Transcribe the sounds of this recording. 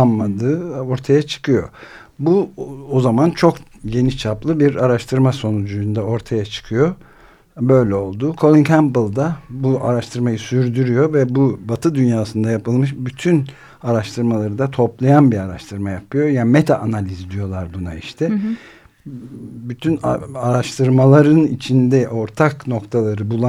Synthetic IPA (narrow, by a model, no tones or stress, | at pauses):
anmad̪ɯːo̞ɾt̪ʰajat͡ʃʰɯ̥kʰɯjo̞̰buozamant͡ʃʰo̞kje̞nit͡ʃʰaplˠɯbiɾaɾaʃt̪ʰɯɾmaso̞nud͡ʒujund̪ao̞ɾt̪ʰajat͡ʃʰɯ̥kʰɯjo̞ | bø̞jlʲɛo̞lˠd̪uːkʰo̞lʲˠiŋkʰæmblˠd̪abuʔaɾaʃt̪ʰɯɾmajɯsyɾd̪yɾyjo̞vɛbubat̪ʰɯd̪ynjaːsɯnd̪ajapɯlˠmɯʃbyt̪ʰyn | aɾaʃt̪ʰɯɾmalˠaɾɯd̪at̪ʰo̞plˠajanbiɾaɾa̰ʃt̪ʰɯɾmajapʰɯjo̞jamet̪ʰaʔanalʲizd̪ijo̞lˠaɾbunaiʃt̪ʰɛ | byt̪ʰynaaɾaʃt̪ʰɯɾmalˠaɾɯnit͡ʃʰind̪ɛʔo̞ɾt̪ʰakno̞kt̪ʰalˠaɾɯbulˠa